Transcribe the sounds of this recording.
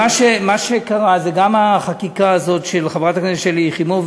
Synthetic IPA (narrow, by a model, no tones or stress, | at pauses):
aʃemaʃekaʁazeɡamaχakikaːzo̞tʃelχavʁataknezeʃeliχimuv